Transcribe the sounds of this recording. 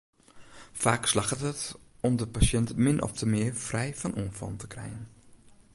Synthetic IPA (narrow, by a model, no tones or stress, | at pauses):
faːkslaxətɦətɔmdəpasjɛntmɪnʔɔ̰ftʰəmɪərfrɛjfɔnʔuənfɔ̰ntə̥krɛ̰jən